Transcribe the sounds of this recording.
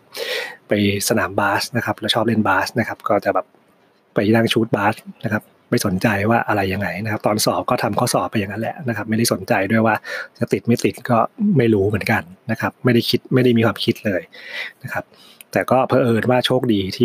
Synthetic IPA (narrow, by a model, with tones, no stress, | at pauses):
pa˧jsa˧naː˩˦mbaː˦˥sna˦˥kʰa˦˥plɛ˦˥wt͡ɕʰɔː˥˩p̚le˥˩˨nbaː˦˥sna˦˥kʰa˦˥p̚kɔː˥˩t͡ɕa˨˩bɛː˨˩p̚ | pa˧jɾaː˥˩ŋt͡ɕʰuː˦˥t̪̚baː˦˥sna˦˥kʰa˦˥p̚ | ma˥˩jso˩˦nt͡ɕa˧jwaː˥˩ʔa˧ɾa˧jːa˧ŋa˧jna˦˥kʰa˦˥p̚t̪ɔː˧nsɔː˨˩˦p̚kɔː˥˩t̪ʰa˧mkʰɔː˥˩sɔː˨˩˦p̚pa˧ja˧ŋːa˦˥nlɛ̰˨˦ʔna˦˥kʰa˦˥p̚ma˥˩jda˥˩so˩˦nt͡ɕa˧jdu˥˩əjwaː˥˩t͡ɕa˨˩t̪i˨˩t̪̚ma˦˥˩t̪i˨˩t̪̚kɔː˥˩ma˥˩jɾuː˦˥mɯ˩˦ənka˧nːa˦˥kʰa˦˥p̚ma˥˩jda˥˩jkʰi˦˥t̪̚ma˥˩jda˥˩jmiː˧kʰwaː˧mkʰi˦˥t̪̚lɤː˧jna˦˥kʰa˦˥p̚ | t̪ɛː˨˩kɔː˥˩pʰɤː˧ʔɤː˧nwaː˥˩t͡ɕʰoː˥˩k̚diː˧t̪ʰiː˥˩